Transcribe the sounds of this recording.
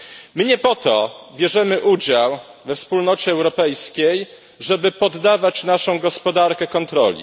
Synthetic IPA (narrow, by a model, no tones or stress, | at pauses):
mɘɲɛpɔt̪ɔbʲjɛʐɛmɘʔud͡ʑawvɛfspulnɔt͡ɕɛːwɾɔpɛjskʲej | ʐɛbɘpɔd̪ːavat͡ɕnaʂɔ̃w̃ɡɔspɔd̪aɾkɛkɔnt̪ɾɔ̰lʲḭ